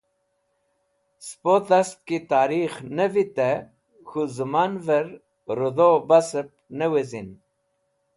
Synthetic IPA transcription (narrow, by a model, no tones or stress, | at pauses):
spot̪ast̪̚kit̪aːɾixnevit̪ɛ | xuzɨmanvəɾ | ɾɨd̪obasɨp̚newezin